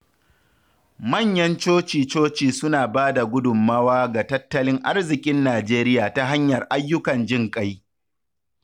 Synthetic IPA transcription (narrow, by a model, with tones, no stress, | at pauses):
mɐ˦˨ɲjɐ˦nt͡ʃoː˦t͡ʃiː˨t͡ʃoː˦t͡ʃiː˨sʊ˦naː˨baː˦da˨ɡʷʊ˦dʊ˨mːa˦waː˦ɡa˨tɐ˦tːɐ˦lɪ˦ŋʔa˦rzɪ˨kʲʼɪ˦nːaː˨d͡ʒeː˦ɾɪ˦jaː˨ta˦ɦa˦ɲjɐ˨rʔa˦jːʊ˦kɐ˨nd͡ʒɪ˦ŋkʼa˦j